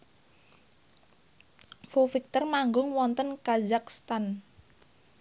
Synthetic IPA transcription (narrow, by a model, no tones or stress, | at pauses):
fufik̚t̪ərmaŋɡʊŋwɔnt̪ənkazakst̪an